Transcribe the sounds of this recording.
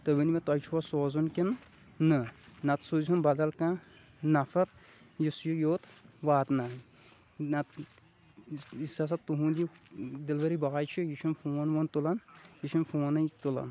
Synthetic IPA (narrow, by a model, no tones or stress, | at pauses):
t̪əbinimet̪ɐjt͡ʃʰuwɐsoːzunkinː | ɨnɐt̪soziunbɐd̪ɐlkã | nɐfɐɾ | jisjujoːt̪ʋaːt̪na | nɐt̪ | isɐs̬ɐt̪uɦũːnd̪id̪ilʋɐɾibɐajt͡ʃʰijit͡ʃʰunfoːnʋont̪ulɐnjit͡ʃʰinfoːnɐt̪ulɐ̰n